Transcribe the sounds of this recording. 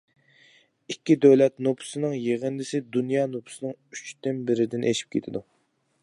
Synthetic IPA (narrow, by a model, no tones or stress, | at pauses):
ikʲːid̪øwlɛt̪nopʰʊ̥sɨnɨŋjeʁənd̪ɪsɪd̪unjɑːnopʰʊ̥sɨnɨŋyt͡ʃt̪ɪnbɪɾɪd̪ɪnʔeʃi̥p̚kʲʰet̪ʰɪd̪u